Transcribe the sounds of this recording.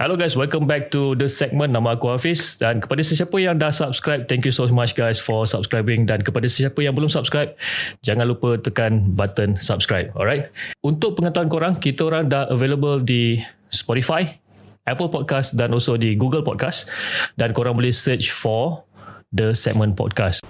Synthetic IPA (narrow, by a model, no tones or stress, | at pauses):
hɛloɡajswɛlkə̃mbɛk̚tudəsɛk̚mə̃nːãmãakuafisdankə̥padasəsiapəjaŋdahsap̚skɾajp̚t̪ɛ̃ŋkjusomat͡ʃɡajsfɔsap̚skɾajbɪ̃ŋdankəpadasəsiapəjaŋbəlʊmsap̚skɹajp̚d͡ʒaŋãnlupət̪əkanbat̪ənsap̚skɹajp̚ɔ̰lɹajt̪̚unt̪ʊk̚pəŋat̪aankoɾãŋkit̪əoɾãŋdahəveləbəldi | spɔɾifaj | ʔɛpəlpɔd̚kasdanɔlsodiɡuɡəlpɔ̰d̚kasdankoɾãŋbəlɛhsət͡ʃfɔ | dəsɛ̰k̚mə̃npɔ̰d̚kas